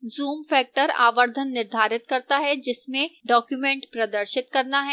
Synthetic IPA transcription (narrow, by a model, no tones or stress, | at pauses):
zuːmfɛːk̚ʈəɾa̰ːʋəɾd̪ʱənːɪɾd̪ʱaːɾɪt̪kɐɾt̪aɦɛd͡ʒɪsmẽɖɔːkjumẽːɳʈpɾɐd̪əɾʃɪt̪kɐɾnaɦɛː